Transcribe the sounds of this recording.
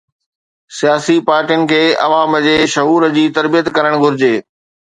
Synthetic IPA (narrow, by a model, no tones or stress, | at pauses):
sijaːsipaːɾʈijənɪ̆kʰeːɐ̰ʋaːməd͡ʑeːʃɐɦuːɾəd͡ʑiːt̪ɐɾbijət̪kɐɾəɽ̃ɡʱʊɾɪd͡ʑeː